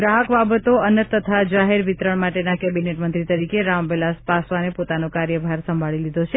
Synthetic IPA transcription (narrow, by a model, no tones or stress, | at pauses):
ɡɾaɦəkbabət̪oənət̪ːət̪ʰad͡ʒaɦeɾʋit̪ɾəɳmaʈenakebineʈmənt̪ɾit̪əɾikeɾambelaspasʋanepot̪anokaɾjəbʱaɾsə̃mbʱaɭilid̪ʱot͡ʃʰe